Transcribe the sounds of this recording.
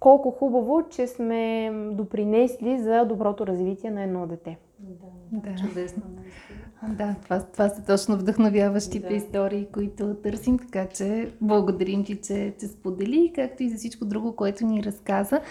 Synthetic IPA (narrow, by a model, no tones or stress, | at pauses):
kɔlˠkʊxubɐvot͡ʃɛsmɛd̪opɾinɛslʲizɐd̪obɾɔt̪oɾɐzvit̪ʲiɛnɐɛd̪nɔd̪ɛt̪ɛ | d̪at͡ʃt͡ʃʊd̪ɛsno | d̪at̪ovat̪ovasət̪ɔt͡ʃnovd̪əxnovʲjavəʃt̪it̪ɛist̪ɔɾiːkoit̪ot̪ɤɾsimt̪ɐ̥kat͡ʃɛblˠɐɡod̪ɐɾimt̪it͡ʃɛt͡ʃɛspod̪ɛlikak̚t̪oizɐfsit͡ʃkod̪ɾuɡʊkoɛt̪ʊniɾɐskazə